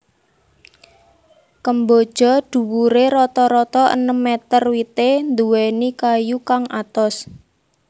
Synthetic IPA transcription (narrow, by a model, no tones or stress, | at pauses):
kəmbod̥ʒ̥ɔ̤d̪̥ṳwuɾeɾɔt̪ɔɾɔt̪ɔʔə̰nəmːet̪ərwit̪end̪uwenikajukaŋʔat̪ɔs